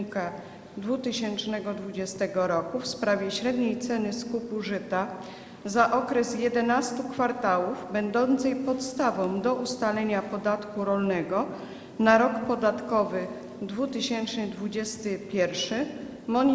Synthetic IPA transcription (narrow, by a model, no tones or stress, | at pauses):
ka | d̪vut̪ɘɕɛnt͡ʂnɛɡɔd̪vud͡ʑɛst̪ɛɡɔɾɔkufspɾavʲjɛɕɾɛd̪ɲejt̪sɛnɘskupuʐɘt̪a | zaʔɔkɾɛsjɛd̪ɛnast̪ukfaɾt̪awuvbɛnd̪ɔnt̪sɛjpɔt̪st̪avɔ̃w̃d̪ɔʔust̪alɛɲapɔd̪at̪kuɾɔlnɛɡɔ | naɾɔkpɔd̪at̪kɔvɘ | d̪vut̪ɘɕɛnt͡ʂnɘd̪vud͡ʑɛst̪ɘpʲjɛɾfʂɘ | mɔɲ